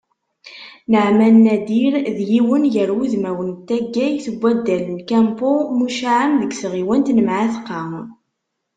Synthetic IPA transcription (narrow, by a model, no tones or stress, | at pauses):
nəʕmænːæd̪iɾðjiwənjəɾwuðmæwənt̪ːæɡːæjθəɡʷːæd̪ːælnkæmpomuʃaʕəmðəɡsʁiwənt̪nəmʕaθqːɑ